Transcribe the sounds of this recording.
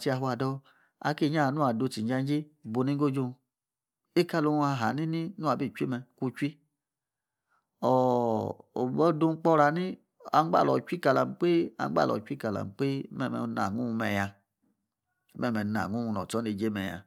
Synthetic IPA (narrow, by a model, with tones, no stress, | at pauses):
t͡ʃi˧˦a˧ɦu˧˦a˨dɔ˧ | a̰˧ki˦˨ɲ˦a˦˨nu˦a˨do˧˨ti˨˦d͡ʒa˧n˦d͡ʒe˦bo˨˧ni˦ɡo˦d͡ʒo˦˧ | e˦ka˦lo˧a˧˨ɦa˨ni˦ni˦nu˦a˨bi˦˨t͡ʃʷi˦mɛ˧ku˧t͡ʃʷi˦ | ɔ˨ | o̰˨bɔ˦do˧˦k͡pɔ˦ɾa˨˦ni˦ | a˧˦ɡ͡ba̰˦˨lɔ˨t͡ʃʷi˦ka˧˨la˨m˨k͡pe˦a̰˨˧˦ɡ͡ba̰˦˨lɔ̰˨t͡ʃʷi˦ka˨la̰˨k͡pe˦mɛ˦˨mɛ̰˧˦na̰˨ŋu˦u˧mɛ˧ja˧˦ | mɛ˦˨mɛ˨na̰˨ŋu˦˨u˧˨nɔ̰˨ɔ˦ne˧˨d͡ʒe˦mɛ˨ja̰˧